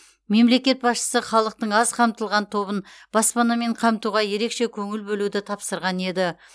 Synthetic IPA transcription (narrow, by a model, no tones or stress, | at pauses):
me̞mle̞kʲe̞t̪̚bɑsʃə̥səχɑlˠəq̚t̪əɴɑzqʰɑmt̪əlˠʁɑnt̪ʰo̞bənb̥ɑspɑnɑme̞ɴqʰɑmt̪uʁɑje̞ɾe̞kʃe̞kʲʰɵŋɪlbɵlud̪ɪt̪ʰɑpsəɾʁɑne̞d̪ɪ